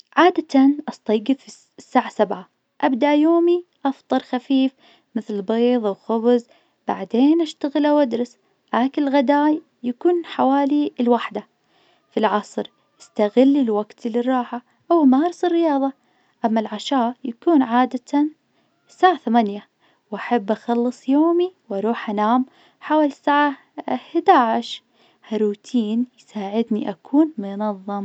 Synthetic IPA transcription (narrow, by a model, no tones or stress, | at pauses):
ʕaːd̪at̪anʔɑst̪ˤɑjɡɪfi | sːaːʕasabʕa | ʔabd̪aʔjoːmiʔɑft̪ˤɑɾˤxafiːf | mɪθlbeːðˤwxʊbz | b̥a̰ʕd̪eːnʔaʃt̪aɣɪlʔawʔad̪ɾˤɑs | ʔaːkɪlɣad̪aːj | jakuːnħawaːlilwaħd̪a | filʕɑsˤɾ | ʔɪ̥st̪aɣɪlːilwaɡt̪lːɪrˤːɑːħa | ʔawmaːɾɪsɪrːɪjɑːðˤɑ | ʔamːalʕaʃaːjakuːnʕaːd̪at̪an | saːʕaθamanja | wʔaħabːʔaxɑlːɨsˤjoːmiwʔɑɾˤuːħʔanaːm | ħawaːlisaːʕa | hɪd̪aːʕɪʃ | haɾuːt̪ʰiːnjsaːʕɪd̪niʔakʰuːnmʊnɑðˤːɨm